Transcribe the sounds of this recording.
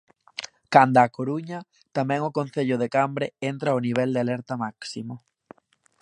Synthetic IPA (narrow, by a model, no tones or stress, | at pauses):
kand̪akoɾuɲa | t̪amɛ̃ŋʊkonθeʎʊðekambɾeent̪ɾaoniβ̞ɛld̪ealɛɾt̪amaksimʊ